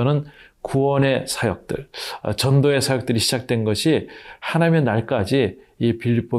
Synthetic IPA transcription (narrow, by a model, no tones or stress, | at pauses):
ʌnɯn | kuwʌne̞sʰajʌk̚t͈ɯ̰ɭʌ̰t͡ɕʌndoe̞sʰajʌk̚t͈ɯɾiɕʰi̥d͡ʑak̚t͈wenɡʌɕʰihanamjʌnːaɭk͈ad͡ʑiː | piʎːp͈ʌ